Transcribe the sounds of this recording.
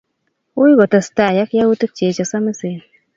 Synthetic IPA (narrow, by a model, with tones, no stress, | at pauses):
wu˦ji˦ɡo˨ta˨sta˦˨ja˦kja˦wu˦tɨ˦k̚t͡ʃe˨t͡ʃa˨sa˦mə˦se˨